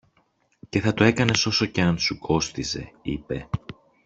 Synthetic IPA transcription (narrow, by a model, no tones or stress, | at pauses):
ce̞θɐt̪oe̞kɐne̞so̞so̞ce̞ɐnsukʰo̞st̪ize̞̰ipe̞̰